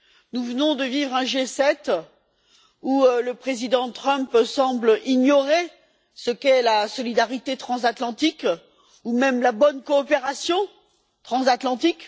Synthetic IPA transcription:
nuvənɔ̃d̪əvivʁɛ̃ʒesɛt̪ | uləpχezid̪ɑ̃t̪χœ̃psɑ̃blʔiɲɔʁe | səkɛlasɔlid̪aʁit̪et̪χɑ̃zat̪lɑ̃t̪ik | umɛmlabɔnkɔːpeʁasjɔ̃ | t̪χɑ̃zat̪lɑ̃t̪ik

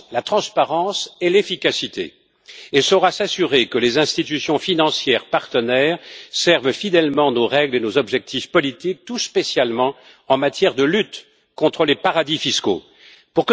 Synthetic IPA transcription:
lat̪χɑ̃spaʁɑ̃sɛlefikasit̪ḛ | ɛlsɔʁasasyʁekəlezɛ̃st̪it̪̬ysjɔ̃finɑ̃sjɛʁpaʁt̪ənɛːʁsɛʁvfid̪ɛlmɑ̃noʁɛɡlenozɔbʒɛk̚t̪ʰifpɔlit̪ik̚t̪uspesjalmɑ̃ | ɑ̃mat̪jɛʁd̪əlyt̪ | kɔ̃t̪χəlepaʁad̪ifisko̰ | puʁk

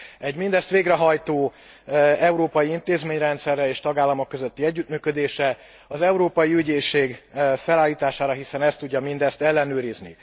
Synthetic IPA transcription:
ɛɟmind̪ɛst̪ʋeːɡrɛɦɒjt̪oː | ɛuɾoːpɒjiint̪eːzmeːɲrɛnt̪sɛrːɛeːʃt̪ɒɡaːlːɒmo̞kːøzøt̪ːiɛɟːyt̪myːkød̪eːʃɛ | ɒzɛuɾoːpɒjiyɟeːʃeːɡfɛlaːlːiːt̪aːʃaːɾɒɦisɛnɛst̪ːuɟːɒmind̪ɛst̪ɛlːɛnøːɾiznḭ

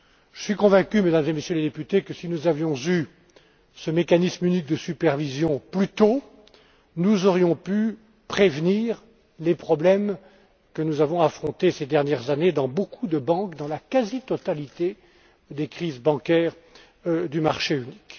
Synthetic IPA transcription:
ʒ̥əsɥikɔ̃vɛ̃kʲymed̪amzemesjøled̪epyt̪ekəsinuzavjɔ̃zy | səmekanismynik̚d̪əsypɛʁvizjɔ̃plyt̪o | nuzɔʁjɔ̃py | pχevniːʁ | lepχɔblɛm | kənuzavɔ̃afχɔ̃t̪esed̪ɛʁnjɛʁzaned̪ɑ̃bokʰud̪əbɑ̃kd̪ɑ̃lakazit̪ɔt̪alit̪e | d̪ekχizbɑ̃kʲɛːʁ | d̪ymaʁʃeynik

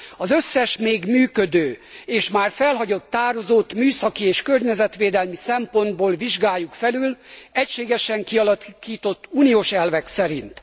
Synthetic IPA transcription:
ɒzøsːɛʃmeːɡmyːkø̞d̪øːeːʃmaːrfɛlɦɒɟo̞t̪ːaːɾo̞zoːt̪myːsɒkieːʃkørɲɛzɛt̪ʋeːd̪ɛlmisɛmpo̞nd̪̚boːlviʒɡaːjːukfɛlylɛcʃeːɡɛʃɛŋkiɒlɒkiːt̪o̞t̪ːuːnijoːʃɛlvɛksɛɾint̪

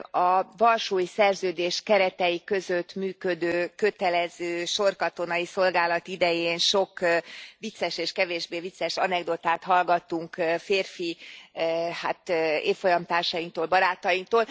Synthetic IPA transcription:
ɒvɒlʃuːjsɛrzøːd̪eːʃkɛɾɛt̪ɛjikø̞zøt̪myːkø̞d̪øːkøt̪ɛlɛzøːʃo̞rkɒt̪o̞nɒjiso̞lɡaːlɒt̪id̪ɛjeːnʃo̞kʋit̪sːɛʃeːʃkɛveːʒbeːvit̪sːɛʃɒnɛɡd̪ot̪aːt̪hɒlɡɒt̪ːuŋkfeːrfi | ha̰ːt̪eːfːo̞jɒmt̪aːrʃɒjiŋk̚t̪oːlbɒɾaːt̪ɒjiŋk̚t̪oːl

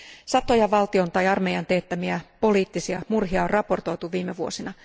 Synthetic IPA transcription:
sɑt̪o̞jɑʋɑlt̪io̞nt̪ɑjɑrmejɑnt̪eːt̪ːæmiæpo̞liːt̪ːisiɑmurɦiɑorrɑpo̞rt̪o̞jt̪uʋiːmeʋuo̞sinɑ

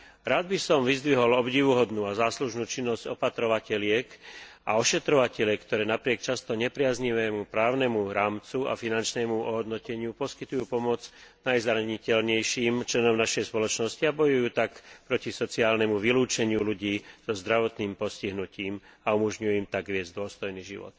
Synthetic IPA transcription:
ɾaːd̪̚bisɔmʋizd̪ʋiɦɔlɔbɟiːʋuɦɔd̪nuːazaːsluʒnuːt͡ʃinːɔzɟɔpat̪ɾɔʋacɛlɪɛkaɔʃɛt̪ɾɔʋacɛʎɛkt̪ɔɾɛːnapɾɪɛkt͡ʃast̪ɔɲɛpɾɪazɲiʋɛːmupɾaːʊnɛmuɾaːmt͡sua̰finant͡ʃnɛːmuɔɦɔd̪nɔcɛɲɪupɔskit̪ujuːpɔmɔd͡znajzɾaɲicɛlɲɛjʃiːmt͡ʃlɛnɔmnaʃɛjspɔlɔt͡ʃnɔsciabɔjujuːt̪akpɾɔcisɔt͡siaːlnɛmuʋiluːt͡ʃɛɲɪuluɟiːz̥ɔzd̪ɾaʋɔt̪niːmpɔsciɦnuciːmaumɔʒɲujɛimt̪aɡʋɪɛd͡zd̪ʊɔst̪ɔjniːʒḭʋɔ̰t̪

